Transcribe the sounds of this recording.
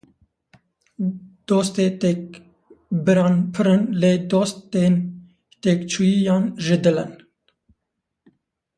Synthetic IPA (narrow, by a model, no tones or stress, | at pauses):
d̪̥oːst̪eːt̪ek̚ | bɨɾɑːnpʰɨɾɨnleːd̪oːst̪eːn | t̪eːkt͡ʃʰujijɑːnʒɪd̪ɨlɪn